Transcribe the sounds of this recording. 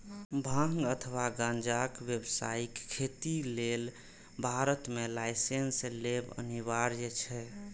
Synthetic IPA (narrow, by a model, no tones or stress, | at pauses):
bʱãŋɡət̪ʰəwaɡãnd͡ʒakʋjəbsa̰ikkʰːet̪ilel | bʱaɾət̪melajsenslebə̰niβaɾjət͡ʃʰɛ